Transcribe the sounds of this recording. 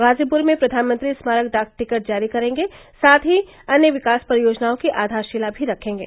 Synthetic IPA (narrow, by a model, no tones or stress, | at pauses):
ɣaːzipʊɾmẽpɾɐd̪ʱaːnmə̃nt̪ɾismaːɾəkd̪aːkʈɪkəʈ̚d͡ʒaːɾikɐɾẽːŋɡe | saːt̪ʰɦi | ɐnjəʋɪkaːspɐɾjoːd͡ʒnaːõkiʔaːd̪ʱaːɾʃɪlabʱiɾɐkʰẽːŋɡḛː